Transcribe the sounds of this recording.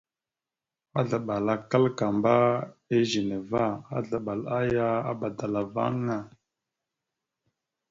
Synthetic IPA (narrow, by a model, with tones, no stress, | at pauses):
a˦ɮa˨ɓa˨la˨ka˦lka˨mba˦e˦ʒe˨ne˨va˦a̰˦ɮa˨ɓa˨la˦ja˦a̰˦ba˨da˨la˨va̰˦ŋa˨